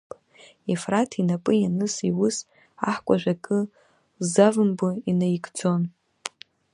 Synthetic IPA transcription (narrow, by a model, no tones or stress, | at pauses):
efratʰinapʼɨjanɨsiwʊs | aħkʷʼaʒʷᶣakʼɨ | zavɨmbɨinajɡʼd͡zo̞n